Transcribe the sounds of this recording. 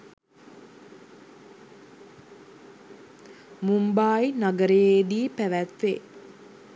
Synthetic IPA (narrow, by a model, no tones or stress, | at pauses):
mumbaːjinaɡəɾəjeːd̪iːpæʋæt̪ʋḛ